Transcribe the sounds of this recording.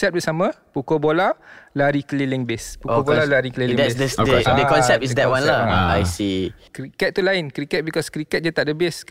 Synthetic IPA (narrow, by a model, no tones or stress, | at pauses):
sɛp̚bəsamã | pukobolalaɾikəlilɪŋbespuobolalaɾikəliliŋdɛssdəkɔnsɛp̚tis̬dɛt̚wanlaa̰jsikɾikɛt̪̚t̪ːulaɪnkɾikɛt̪̚bikɔskɾikɛt̪̚d͡ʒat̪aʔdəbɪs